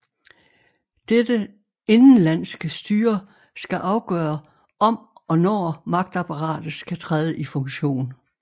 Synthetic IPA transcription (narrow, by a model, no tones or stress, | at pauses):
d̥ed̥ə | e̝nn̩læn̰sɡ̥əsd̥yːɐ | sɡ̥æʔɑ̈ʊɡ̥œːɐ | ɒ̽mɒ̽nɒːmɑ̈ɡ̥̚d̥æpʰɑʁɑ̰̈ːd̥ð̩sɡ̥æt͡sʰʁɛːðˠəʔifɔ̽ŋɕo̝̰ːn